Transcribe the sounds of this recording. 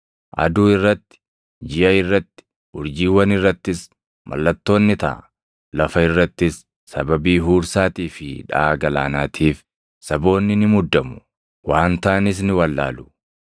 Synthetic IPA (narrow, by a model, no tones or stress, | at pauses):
ʔɐ̰d̪uːɪrːɐt̪ːɪ̥ | d͡ʒɪʔɐɪrːɐt̪ːɪ̥ | ʊɾd͡ʒiːwɐnɪrːɐt̪ːɪs | mʔɐ̰lːɐt̪ːo̞ːnːɪt̪ɐ̰ʔ | lɐfɐɪrːɐt̪ːɪsː | ɐbɐbiːɦuːɾsaːt̪iːfɪᶑa̰ːɡɐlaːnaːt̪ʰiːf | sɐbo̞ːnːɪnɪmʊd̪ːɐmʊ̥ | waːnt̪ɐʔɐnɪs̬nɪwɐlːa̰ːlʊ̥